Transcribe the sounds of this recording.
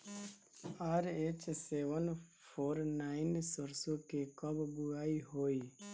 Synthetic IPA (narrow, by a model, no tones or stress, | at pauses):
aɾet͡ʃseʋən | fʰoɾnaɪnsɔɾsokekɔbbuaiɦoi